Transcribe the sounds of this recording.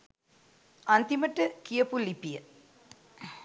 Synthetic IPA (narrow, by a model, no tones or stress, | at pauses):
ant̪iməʈːəkijɐpulipijə